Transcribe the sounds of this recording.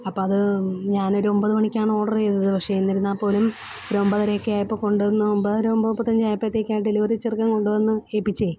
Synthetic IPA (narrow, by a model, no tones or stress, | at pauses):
ɐpːoːɐðɨɲaːno̞ɾuo̞mbɐðɨmɐɳikʲːaːɳɨo̞ːɽɐrt͡ɕejt̪ːɐðɨpɐkʂejunːɐɾunːaːpːo̞ːlum | oɾuo̞mbɐðɐɾekːeaːjipːoːko̞ɳɖuʋɐnːɨombɐðɐɾuombɐðpːɐt̪ːɐɲd͡ʑaːjɐpːɐt̪ːeːkʲːaːjʈd̪eliʋɐt̪it͡ɕːirkːɐŋko̞ɳɖuʋɐnːɨeːpːit͡ɕːe